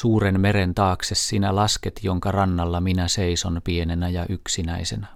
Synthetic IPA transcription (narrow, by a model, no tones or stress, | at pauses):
suːrenme̞ɾent̪ɑːksessiːnælɑsket̪joŋkɑrɑnːɑlːɑminæseiso̞npie̞nenæjɑʔyksinæisenæ